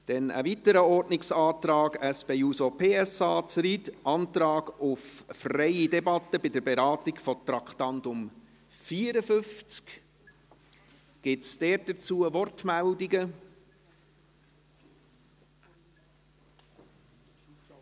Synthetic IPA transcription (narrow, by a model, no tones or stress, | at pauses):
d̥ɛnə̰vitəɾəɔɾdnɪksɑːt̪ɾɑːɡæspeuːsopʰeːɛsɑːt͡sɾidʔɑntɾɑːɡʊffrɛɪidɛbɑtəbɪdəɾbɛɾɑːtɪkfɔt̪ɾɑkχtɑntʊm | fiːəɾəfʏft͡sk | ɡ̥ɪtsd̥ɛːt̚d̥ət͡suːəvɔrtmældiɡə